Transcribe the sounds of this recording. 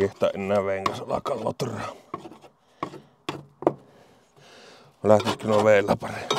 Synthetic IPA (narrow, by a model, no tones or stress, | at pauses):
eht̪ˑæ̰ːʔʔenːæːʋʋeˑiŋkɑsʔɑlɑ̰kˑɑːlːo̰t̪urɑːm | læht̪iskːinoʋeˑilːɑ̰pɑrem